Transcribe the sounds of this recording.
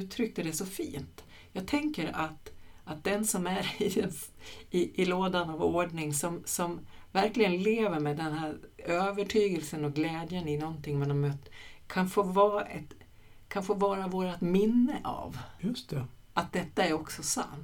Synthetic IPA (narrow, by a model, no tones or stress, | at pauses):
ʉːt̪ʰɾʏk̚t̪əd̪ɛsɔfḭːnt̪ | jɑːɡ̚t̪ʰɛŋkəɾat̪at̪̚d̪ɛnsɔmæɾɪd̪ɛnɪʔɪloːd̪anavoːɖɳɪŋsɔmsɔmvæɾklɪɡənleːvəɾmɛd̪ɛnɦæːɾøːvəʈʰyːɡəlsənɔɡlɛːd̪jənɪnɔnt̪ʰɪŋːmɛnd̪ɔmøt̪kʰanfoːvɑːʔɛt̪ | kʰanfoːvɑːɾavoːɾat̪mɪnːəʔa̰vjɵst̪ɛ | at̪̚d̪ɛt̪ːaæɾɔksɔsa̰nt̪